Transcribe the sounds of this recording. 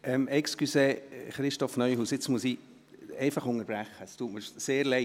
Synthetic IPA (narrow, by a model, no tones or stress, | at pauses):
ɛmɛkskyseχɾɪʃtɔfnœjɦuːsɪt͡smuəsi | ɛɪfɑχʊŋəɾb̥ɾæχːəstuːtməɾseːɾlɛ